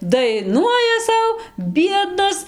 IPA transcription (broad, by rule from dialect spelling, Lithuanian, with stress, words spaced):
dɐɪˈnuɔjɛ ˈsɐʊ ˈbʲiɛdnɐs